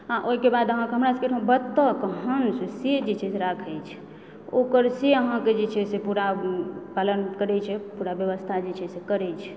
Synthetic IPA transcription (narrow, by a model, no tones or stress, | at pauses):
ɦãʔoɦikebad̪əɦãkeɦəmɾaskeɾ̃ʰbət̪ːəkəɦənsesed͡ʒet͡ʃʰɛseɾakʰɛjt͡ʃʰ | okəɾseəɦãked͡ʒet͡ʃʰɛsepuɾapalənkəɾɛt͡ʃʰɛpuɾabjəʋəst̪ʰad͡ʒet͡ʃʰɛsekəɾɛt͡ʃʰɛ̥